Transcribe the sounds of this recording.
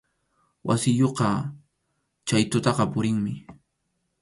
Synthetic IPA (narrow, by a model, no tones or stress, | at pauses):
wʔa̰sɪjoqɑ | t͡ʃajt̪ʊt̪ɑqɑpʊɾɪŋmɪ